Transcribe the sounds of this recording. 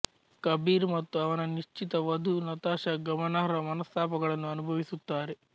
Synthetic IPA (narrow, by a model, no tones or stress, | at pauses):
kɐbʱiːɾmɐt̪ːuɐʋɐnɐniʂt͡ʃit̪ɐʋɐd̪ʱunɐt̪aːʃɐɡɐmɐnaːɾɐmɐnɐst̪ʰaːpɐɡɐɭɐnːuɐnubʱɐʋisut̪ːaːɾe